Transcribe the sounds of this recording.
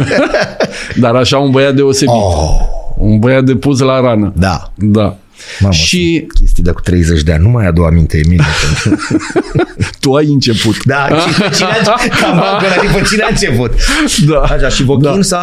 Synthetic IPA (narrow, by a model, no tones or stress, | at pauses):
d̪aɾaʃaunbəjat̪̚d̪e̞o̞se̞biounbəjad̪e̞pus̬laɾanəd̪a̰ | d̪a | mamʃikʲest̪ijd̪aku̥t̪ɾejzet͡ʃʲd̪ea̰nʲnumajad̪oamint̪eeminepen | t̪uajɨnt͡ʃe̞put̪d̪ait͡ʃiamakonaifət͡ʃinaɨnt͡ʃeput̪d̪aaʃaʃivod̪ʲinsa